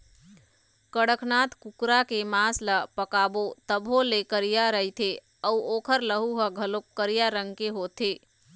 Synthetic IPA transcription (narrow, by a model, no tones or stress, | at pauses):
kəɽəkʰnat̪kukɾakemasləpəkabot̪əbʱɦolekəɾijaɾəɦit̪ʰe | əuoːkʰəɾləɦuɦəɡʱəloəɾijaɾəŋɡkeɦot̪ʰe